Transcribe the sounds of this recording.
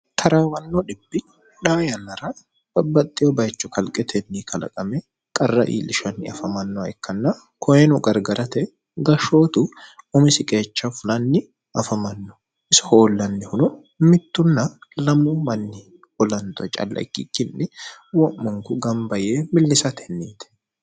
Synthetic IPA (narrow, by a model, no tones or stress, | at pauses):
t̪ʰɐɾawɐnːoᶑɪbːɪ | ᶑaːjɐnɐɾɐ | b̥ɐbːɐt̪ʼːɪjobɐjt͡ʃːʊkɐlkʼɛt̪ʰɛnːiːkʰɐlɐ̰kʼɐmɛ | kʼɐrːɐ̰ʔḭːlɪʃɐnːɪɐfɐmɐnːɔɐɛkːɐnːɐ | kʰɔjɛnʊɡɐɾɡɐɾɐt̪ɛ | ɡɐʃoːt̪ʊɔmɪsɪkʼe̞ːt͡ʃːɐfʊlɐnːɪ | ɐfɐmɐnːɔ̥ | ʔɪsɐ̥ho̞ːlːɐnːɛhʊnʊ | mɪt̪ːʊnːɐlɐmuːmɐnːɪ | wɔlɐnt̪ʼɔt͡ʃʼɐ̰lːɐ̰kːḭkːɪnːɪwɔʔːʊŋkʊɡɐmbɐjeːmɪlːɪsɐt̪ʰɛnːiːt̪ɛ̥